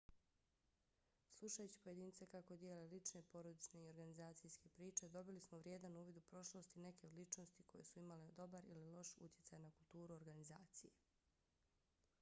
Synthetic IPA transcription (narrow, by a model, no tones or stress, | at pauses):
slˠuʃajut͡ɕi̥po̞je̞d̪iːnit̪sekako̞d̪jeːlelit͡ʃne̞po̞ɾo̞d̪it͡ʃne̞io̞ɾɡanizaːt̪sijske̞pɾiːt͡ʃe̞d̪o̞bilismoʋɾje̞d̪anuːʋid̪upɾo̞ʃlˠo̞st̪ine̞ke̞lit͡ʃno̞st̪ikʰo̞je̞suimaled̪o̞baɾḭlilo̞ʃṵt̪je̞tsajnakulˠt̪uːɾuo̞ɾɡanizaːt̪sije